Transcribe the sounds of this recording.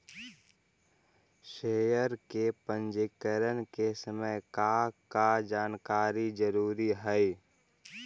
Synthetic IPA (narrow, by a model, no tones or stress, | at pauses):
ʃeːjəɾkepə̃nd͡ʒɪkəɾənkesəməjkakad͡ʒaːnkaːɾid͡ʒəɾuːɾiɦɛj